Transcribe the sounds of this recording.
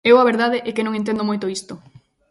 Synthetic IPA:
ewaβeɾðaðeʔɛkenõŋẽnt̪end̪omojt̪oist̪o

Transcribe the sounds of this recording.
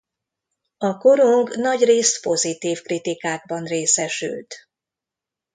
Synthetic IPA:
ɒko̞ɾuŋɡnɒɟreːst̪po̞zit̪iːfkrit̪ikaːɡ̚bɒnreːsɛʃy̰lt̪

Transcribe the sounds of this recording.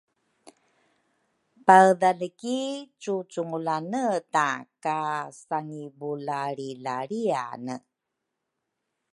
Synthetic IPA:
paəðaləkit͡sut͡suŋulanətakasaŋibulaɾilaɾia̰nə

